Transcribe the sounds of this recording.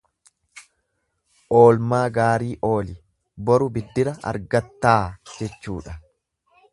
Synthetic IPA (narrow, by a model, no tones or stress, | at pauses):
ʔo̞ːlmaːɡaːɾiːʔo̞ːlɪ | bɔɾʊbɪd̪ːɪɾɐɐ̰ɾɡɐt̪ːaːd͡ʒɛt͡ʃːuːᶑɐ